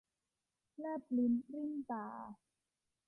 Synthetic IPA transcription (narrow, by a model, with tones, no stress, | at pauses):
la˥˩pli˨˦nɾi˥˩˨nt̪aː˨˩